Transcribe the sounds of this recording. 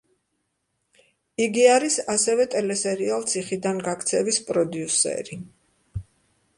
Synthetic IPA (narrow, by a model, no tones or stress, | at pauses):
iɡiaɾisasɛvɛt̪ʼɛlɛsɛɾialˠt̪sʰiχid̪anɡakʰt̪sʰɛvispʼɾɔd̪iusɛ̰ɾi